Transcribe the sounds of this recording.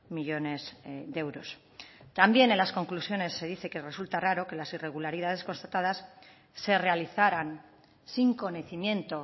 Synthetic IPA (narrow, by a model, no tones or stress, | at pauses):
miʎo̞ne̞zde̞wɾo̞s | t̪ambje̞nẽnlasko̞ŋklusjo̞ne̞sːe̞ð̞iθe̞kere̞sult̪araɾo̞ke̞lasire̞ɣ̞ulaɾið̞að̞e̞sko̞nst̪at̪að̞asː | e̞re̞aliθaɾan | siŋko̞neθimje̞nt̪o̞